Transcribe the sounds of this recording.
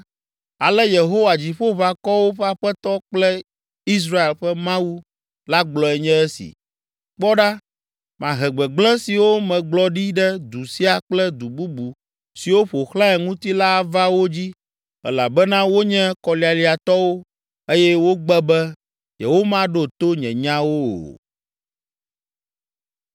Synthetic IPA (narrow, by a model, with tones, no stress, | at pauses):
a˨lɛ˦je˨ɦo˦wa˨d͡ʑi˨ɸo˦βa˨kɔ˦wo˦ɸa˦ɸɛ˦t̪ɔ˦k͡plɛ˦ | i˦s̬ɾa˦e˨lɸɛ˦mã˦wu˦ | la˦ɡ͡blɔ˨ɛ˨ɲɛ̃˦ɛ˦sḭ˨ | k͡pɔ˦ɖa˦ | mã˨ɦɛ˨ɡ͡bɛ˨ɡ͡blɛ̃˦si˨wo˦mɛ̃˨ɡ͡blɔ˦ɖi˦ɖɛ˦d̪u˨si˦a˨k͡plɛ˦d̪u˨bu˦bu˨ | si˨wo˦ɸo˨xlã˦ɛ˨ŋũ˦t̪i˦la˦˨va˦wo˦d͡ʑi˦ | ɛ̰˨la˨bɛ˦nã˦wo˦ɲɛ̃˦kɔ˨li˨a˨li˨a˨t̪ɔ˦wo˦ | e˦jɛ˦wo˦ɡ͡bɛ˦bɛ˦ | jɛ˨wo˦mã˦ɖo˦t̪o˦ɲɛ̃˨ɲã˦wo˦o̰˨